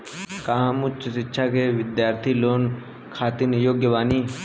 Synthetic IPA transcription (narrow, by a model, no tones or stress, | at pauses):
kaɦãmʊt͡ʃt͡ʃsɪtːʃʰakeːʋɪd̪jaːɾt̪ʰiːloːn | kʰaːt̪injoːɡjəʋaːniː